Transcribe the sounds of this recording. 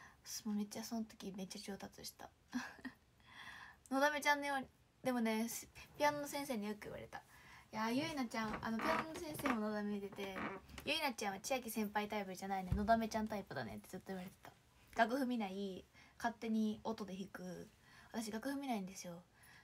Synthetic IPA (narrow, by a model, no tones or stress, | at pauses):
sɨmome̞t͡ɕːaso̞not̪o̞̥kʲimet͡ɕːat͡ɕo̞ːt̪at͡sɨɕi̥t̪a̰ | no̞d̪ame̞t͡ɕãnːjoːɲi | d̪̥e̞mo̞ne̞spʲianːosẽ̞ɰ̃se̞ːɲ̟ijokɯḭβa̰ɾe̞t̪ajajɯ̟inat͡ɕãɰ̃ʔa̰no̞pʲianːosẽ̞ɰ̃se̞ːmo̞nod̪ameid̪e̞t̪e̞jɯ̟inat͡ɕãɰ̃βat͡ɕijak̬ʲisẽ̞mpait̪aipɯɾɯʑanaineno̞d̪ame̞t͡ɕãnt̪aipɯ̟d̪a̰nḛt̪ːe̞zɨt̪ːo̞iβaɾe̞t̪e̞̥t̪ḁ | ɡ̥akɯ̟ɸɯ̟mʲinaikat̪ːe̞ɲ̟io̞t̪o̞d̪e̞çikɯ̟βat̪aɕ̬iɡakɯ̟hɯ̟mʲinaĩnd̪e̞sɨjo̞